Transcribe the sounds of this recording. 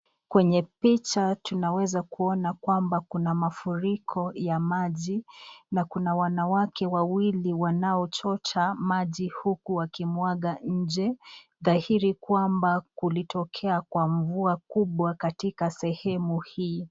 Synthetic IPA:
kwɛɲɛpit͡ʃatunawɛzakuɔnakwambakunamafuɾikʰɔjamaʄinakunawanawakɛwawiliwanaɔt͡ʃɔt͡ʃamaʄihukuwakimwaɠaɲ̩d͡ʒɛ | ðahiɾikwambakulitʰɔkʰɛakwaɱvuakuɓwakatikasɛhɛmuhiː

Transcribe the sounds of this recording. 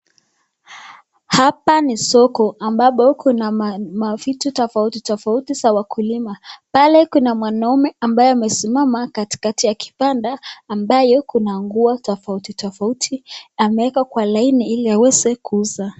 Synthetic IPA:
hapanisɔkɔambapɔkunamafitutɔfautitɔfautisawakʰulimapalɛkunamwanaumɛambajɔamɛsimamakati̥katijaki̥pandaːmbajɔkunaŋɡuatɔfautitɔfautʰiamɛɛkakwalainiiliawɛzɛkuuza

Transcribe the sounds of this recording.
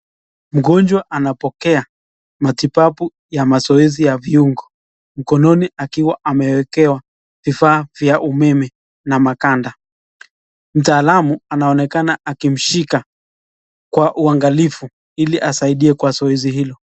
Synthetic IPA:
m̩ɡɔnd͡ʒwaʔanapɔkɛa | matipapu | jamazɔɛzijaviuŋɡɔ | m̩kɔnɔniakiwaʔamɛwɛkɛwa | vifaːvjaʔumɛmɛ | namakanda | m̩taːlamuanaɔnɛkanaʔakim̩ʃika | kwaʔuaŋɡalifu | iliʔasaiɗiɛkwazɔɛziɦilɔ

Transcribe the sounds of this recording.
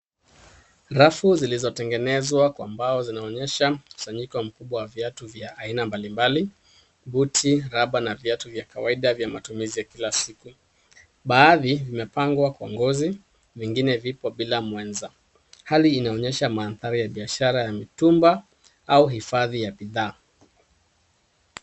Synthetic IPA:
ɾafuzilizɔtɛŋɡɛnɛzwakwambaɔzinaɔɲɛʃahu̥saɲikɔm̩kuɓwawavjatuvjaʔːinambalimbali | ɓutʰiɾaɓanavjatuvjakawaiɗavjamatumizijakilasiku | ɓaːðivimɛpaŋɡwakwaŋɡɔzi | viŋɡinɛvipɔɓilamwɛnza | haliːnaɔɲɛʃamaːnθaɾijaɓiaʃaɾajamitumba | auɦifaðijaɓiðaː

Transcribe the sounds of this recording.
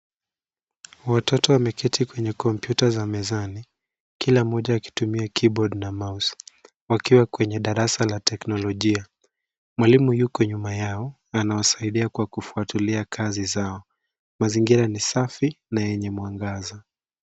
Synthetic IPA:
watʰɔtɔwamɛkʰɛtʰikwɛɲɛkɔmpjutazamɛzani | kilamɔʄaːki̥tumiakʰibɔɗnamaus | wakiwakwɛɲɛɗaɾasalatɛknɔlɔʄia | mwalimujukɔɲumajaɔ | anawasaiɗiakwakufuatuliakʰazizaɔ | maziŋɡiɾanisafinajɛɲɛmwaŋɡaza

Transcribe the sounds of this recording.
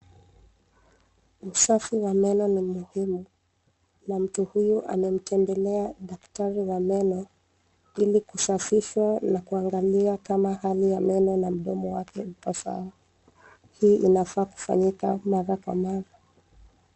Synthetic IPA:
usafiwamɛnɔnimuhimu | nam̩tuhujuʔa̰mɛm̩tʰɛmbɛlɛaɗaktaɾiwamɛnɔ | ilikusafiʃwanakuaŋɡaliakamahalijamɛnɔnam̩ɗɔmɔwakɛupɔsa̰ɔ | hiːʔinafaːku̥fa̰ɲikamaɾakwa̰maɾa

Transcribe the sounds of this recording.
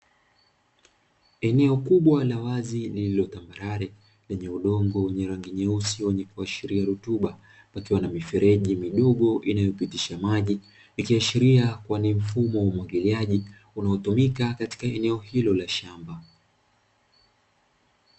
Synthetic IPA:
ɛnɛɔkuɓwalawazilililɔtambaɾaɾɛ | lɛɲɛuɗɔŋɡɔwɛɲɛɾaŋɡiɲɛusiwɛɲɛkuaʃiɾiaɾutuɓa | pakiwanamifɛɾɛʄimiɗɔɠɔʔinajɔpitiʃamaʄi | nikiaʃiɾiakwanim̩fumɔwaumwaɡiliaʄi | unaɔtumikakati̥kaɛnɛɔhilɔlaʃamba

